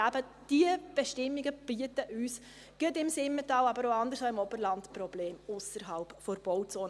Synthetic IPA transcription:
æbə | d̥iəb̥ɛʃtɪmːiɡəb̥iətəʔyːs | ɡ̥ətɪmsɪmːətɑːwɑbəɾoɑnd̪əɾsɑɪmɔbəɾlɑntpɾɔb̥leːmʊsəɾɦɑlpfɔɾb̥ɔwt͡soːn

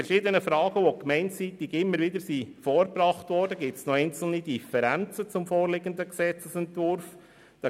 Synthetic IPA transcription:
ɛɾʃiːd̪ənəfɾɑːɡ̥əʋokmɛɪnt͡siːt̪iɡɪmːəɾʋɪd̪əsifɔːɾbrɑχt̪vɔːɾdəɡɪsnɔɛɪnt͡sl̩nid̥ifɛɾænt͡sət͡sʊmfoːɾlɪɡənd̪əksɛt͡səsɛntvʊɾf | d̥̪ɑ

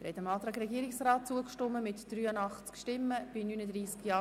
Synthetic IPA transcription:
ɾhɛ̰təmɑːt̪ɾɑːɡɾɛɡiəɾɪksraːt̚t͡suəkʃtɔmːəmɪtd̥ɾyːəndɑχt͡skʃtɪmːəb̥ɪnynədɾiːskjɑː

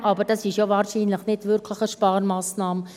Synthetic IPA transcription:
ʔɑbəɾd̥ɑsɪʃjovɑːɾʃiːnləχnɪtʋʏɾkʰləχəʃpɑːɾmɑːsnɑːm

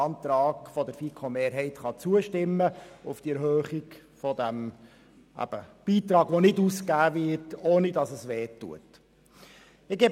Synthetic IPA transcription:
ɑnt̪ɾɑːɡ̥fɔdəɾfikʰomeːɾɦɛɪtχɑt͡suəʃtɪmːəʊfd̥iɛɾɦøːχiɡ | fɔdæm | ʔæ̰b̥əb̥iːt̪ɾɑːɡ̥ʋonɪduːskæːʋɪtoːnidɑsəsʋeːtːṵə̰t | ɪɡeːb

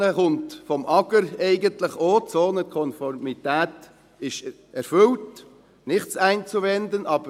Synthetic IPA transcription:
əχʊntfɔmʔɑɡ̥əɾɛɪɡəntlɪχoːt͡soːnəkʰɔnfɔrmitæːt | ɪʃ | ɛɾfʏlt | nɪχtt͡sæɪnt͡suʋɛndənʔɑːb̥ə

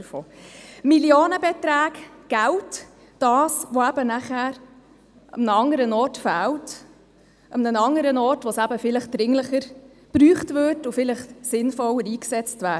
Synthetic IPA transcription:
foːmiljoːnəbetɾæːɡɡ̥æwt | d̥ɑːsʋoæbənæχhæːɾ | ʔəmnəɑŋəɾənɔːɾtfæːlt | ʔəmnənɑŋəɾənɔːɾtʋosæbəfɪləχd̥ɾɪŋləχəɾ | b̥ɾyːχtvʏɾtʊfɪləχsɪnfɔləɾiːksɛt͡stvæː

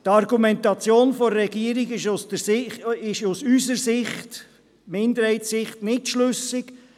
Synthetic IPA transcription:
tɑɾɡumɛntɑt͡sjoːnfɔːɛɡiəɾiɡɪʃusd̥əsɪɪʃusysəɾsɪχt | mɪnd̪əɾhɛɪtsɪχtnɪtʃlʏsɪk

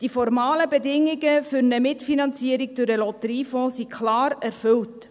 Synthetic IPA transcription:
d̥ifɔɾmɑːləbɛdɪŋːɪɡəfyɾnəmɪtfinɑnt͡siəɾɪɡ̚d̥ʊɾəlɔtəɾiːfɔ̃ːsikʰlɑːɾɛɾfɵlt

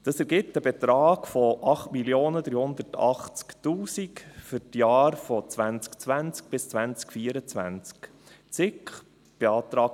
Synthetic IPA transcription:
d̥ɑsɛɾɡɪp̚təbɛt̪ɾɑːɡfɔʔɑχtmiljoːnəd̥̪ɾyːhʊnd̪ərtʰɑ̰χt͡sktuːsikfʏɾtjɑːɾfɔt͡sʋænt͡skt͡sʋænt͡sk̚b̥ɪst͡sʋænt͡skfiːəɾət͡sʋæ̰nt͡sk | t͡sɪkχ | b̥eɑːt̪ɾɑːk

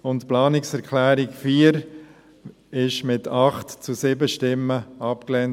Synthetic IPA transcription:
ʊntplɑːnɪksɛɾkʰlæːɾɪkfiːəɾ | ɪʃmɪtʰɑχtt͡susɪbəʃtɪmːəɑpklɛn

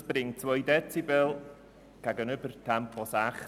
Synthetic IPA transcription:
b̥rɪŋtʰwojdɛtʰivɛlˠ | kaɡənəbərtʰampʰɔsaχ

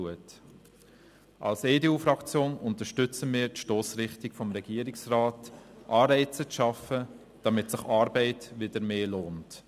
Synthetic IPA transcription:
uət | ʔɑ̰lseːdeuːfɾɑkt͡sjoːnʊntəɾʃtʏt͡səmɪːɾtʃtoːsɾɪχtɪkfɔmʁɛɡ̥iːəɾɪksraːtʔɑːɾɛɪt͡sət͡sʃɑfə | d̥ɑmɪtsɪχɑːɾbɛɪtʋɪdəɾmeːloːnt

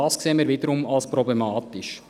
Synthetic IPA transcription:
ɑskseːənmiːɾviːdəɾʊmalspɾɔblemɑːtɪʃ

